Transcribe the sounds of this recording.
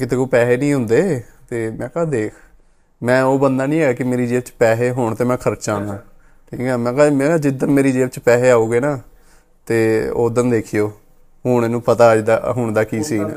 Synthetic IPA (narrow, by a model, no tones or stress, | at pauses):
kɪt̪eːkoːpɛːɦeːnĩːɦʊ̃nd̪eːt̪eːmɛ̃ːkaːd̪eːkʰ | mɛ̃ːoːbənd̪aːnĩːɛːɡaːkɪmeːɾiːd͡ʒeːʋt͡ʃpɛːɦeːɦʊɳt̪eːmɛ̃ːkʰəɾt͡ʃãːnaː | ʈʰiːkɛːmɛ̃ːkaːmɛ̃ːad͡ʒɪd̪ənmeːɾiːd͡ʒeːʋt͡ʃpɛːɦeːaːuːɡeːnaː | t̪eːo̰ːd̪ənd̪eːkʰɪjoː | ɦʊːɳ̃eːnũːpət̪aːd͡ʒd̪a̰ːɦʊɳd̪aːkiːsiːn̰ː